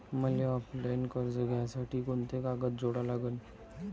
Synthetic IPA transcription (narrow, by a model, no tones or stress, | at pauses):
məleɔpɖankɔɾd͡zəɡjasaʈʰiːkont̪ekaɡət̪̚d͡zoɽalaɡən